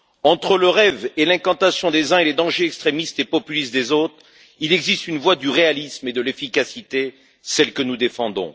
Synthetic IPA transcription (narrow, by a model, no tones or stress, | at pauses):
ɑ̃t̪χələʁɛvelɛ̃kɑ̃t̪asjɔ̃d̪ezɛ̃eled̪ɑ̃ʒeɛkst̪χemist̪epɔpylist̪̚d̪ezot̪χ | ilɛɡzist̪ynvwad̪yʁealismed̪əlefikasit̪e | sɛlkənud̪efɑ̃d̪ɔ̰̃